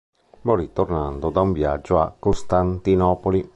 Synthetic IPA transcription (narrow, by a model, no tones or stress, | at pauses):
borit̪ːornand̪od̪auɱvjad͡ʒːoakːost̪ant̪inɔːpoli